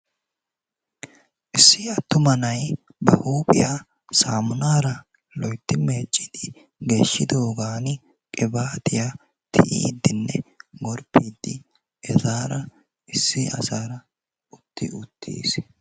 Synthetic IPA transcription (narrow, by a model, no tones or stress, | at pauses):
ʔɪsːɪɐt̪ːʊmɐnɐj | bɐhuːpʼɪ̰jaː | saːmʊnaːɾɐ | lɔjt̪ːɪmeːt͡ʃʼːɪd̪̥ɪ | ɡe̞ːʃːɪd̪o̞ːɡaːn | kʼɪbaːt̪ɪja | t̪ʰɪʔḭːd̪ːɪnːɛɡɔɾpːiːd̪ːɪ | ɛzaːɾɐ | ɪsːɪɐ̰saːɾɐ | ʊt̪ːɪ̰ʔʊt̪ʰːḭːs